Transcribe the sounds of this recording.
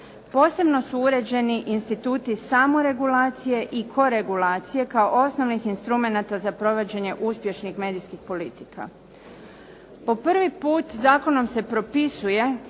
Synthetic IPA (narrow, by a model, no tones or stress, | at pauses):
po̞ːse̞bno̞suuɾe̞d͡ʑe̞niʔinst̪it̪uːt̪isamoɾe̞ɡulaːt̪sije̞ʔikʰo̞ɾe̞ɡulaːt̪sije̞kaoʔo̞sno̞ʋnixinst̪ɾume̞nat̪azapɾo̞ʋod͡ʑe̞ɲe̞ʔuspje̞ʃnixme̞ːd̪iskixpo̞lit̪ika̰ | po̞pr̩ʋipuːt̪zaːko̞no̞mse̞pɾo̞pisuje̞